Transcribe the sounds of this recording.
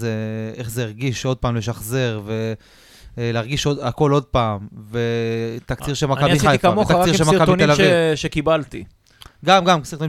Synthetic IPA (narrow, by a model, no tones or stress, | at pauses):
zeeχzeiʁɡiʃo̞d̪̚paːmleʃaχze̞ʁve̞ | leaʁɡiʃodako̞lo̞d̪̚paːmve̞t̪akt͡siʁʃemakaiajkamot̪akiʁʃemakabtionelaviʃekibalt̪ḭ | ɡamɡamksiʁt̪o